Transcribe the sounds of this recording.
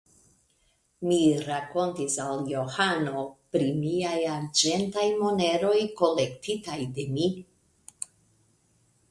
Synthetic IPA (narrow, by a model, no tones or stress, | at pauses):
miɾako̞ntisaljo̞hano̞pɾimiajaɾd͡ʒe̞ntajmo̞ne̞ɾo̞jko̞le̞ktitajde̞mi